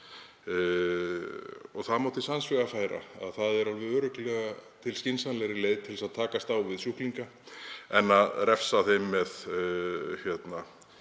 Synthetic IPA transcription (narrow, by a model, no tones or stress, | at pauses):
ɔɣθaðmawt̪ɪsansvɛɣafaːjɾa̰a̰ðθaðɛɾalvʏðœːɾʏklɛɣat̪ʰɪlscɪnsanlɛɾɪleːjðt̪ʰɪlsaðt̪ʰaːkast̪aːwvɪðsjuhkliŋka | ɛnːaðrɛfsaθejmːɛð | çjɛt̪na